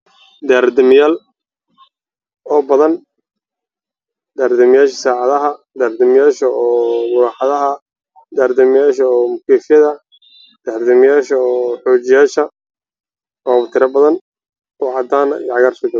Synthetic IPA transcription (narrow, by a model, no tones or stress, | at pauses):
d̪aːɾd̪ɔmɪjaːl | ɔːbɐðɐn | d̪aːɾd̪ɐmɪjaːʃsaːʕɑðɐɦɐ | d̪aːɾd̪ɔmɪjaːʃɐɔːmʊɾaːħɑðɐɦɐ | d̪aːɾd̪ɔmɪjaːʃɐːmʊkʰɛːfɪjɐðɐ | d̪̥aːɾd̪ɐmɪjaːʃɐɔːħɔːt͡ʃɪjaːʃɐ | ɔːβt̪ʰɪɾɐbɐðɐn | ɔːʕɑd̪aːnɐ̰jʕɑɣarsɪɡɐ